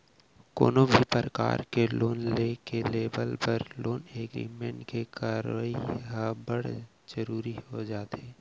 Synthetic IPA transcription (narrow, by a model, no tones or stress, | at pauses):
ko̰ːnobʱipɾəka̰ːɾkeloːnlekeleːbəlpɐɾloːneːɡɾḭːmẽɳʈkekaːɾaiɦabəɽ̤ | d͡ʒəɾuːɾihod͡ʒaːt̪eː